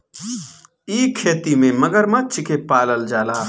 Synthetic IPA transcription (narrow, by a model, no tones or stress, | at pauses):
iːkʰːeːt̪imẽmɐɡəɾmɐt͡ʃʰɪkepaːləld͡ʒaːlaː